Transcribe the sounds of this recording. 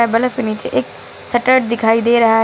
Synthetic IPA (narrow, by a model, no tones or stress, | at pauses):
ɛbələfɪniːt͡ʃʔɪk | səʈəɾɖd̪ɪkʰaːiːd̪eːɾɐɦaː